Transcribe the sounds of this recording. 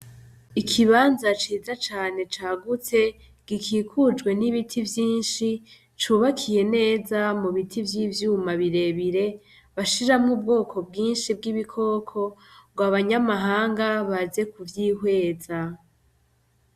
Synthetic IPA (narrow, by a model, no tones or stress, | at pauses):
ikʰiβaːnzat͡ʃiːzat͡ʃaːne̞t͡ʃaːɡut͡se̞ | ɡ̥ikʰiːkʰud͡ʒɡwe̞niβitʰivjiːnʃi | t͡ʃuβakʰije̞ne̞ːzamuβitʰivjiːvjuːmaβiɾe̞βiɾe̞ | βaʃiɾamŋuːb̚ɡo̞ːkʰo̞b̚ɡiːnʃib̚ɡiβikʰo̞ːkʰo̞bɡwaβaɲamaɦaːŋɡaβaze̞kuvjiːhwe̞ːza